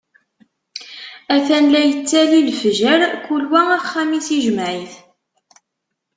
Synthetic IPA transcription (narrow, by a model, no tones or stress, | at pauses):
æθænlæjət͡sːælilfʒæɾkulwææχːæmisiʒəmʕiθ